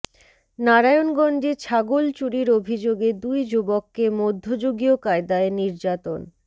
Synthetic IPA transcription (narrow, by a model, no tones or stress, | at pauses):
naɾajonɡɔnd͡ʑet͡ɕʰaɡolt͡ɕuɽiɾobʱid͡ʑoɡed̪ujd͡ʑubokːemod̪ʱːod͡ʑoɡiokaed̪aeniɾd͡ʑat̪on